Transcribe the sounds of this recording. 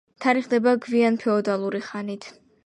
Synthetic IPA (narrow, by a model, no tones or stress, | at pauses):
t̪ʰaɾiχd̪ɛbaɡvianpʰɛɔd̪alˠuɾiχanit̪ʰ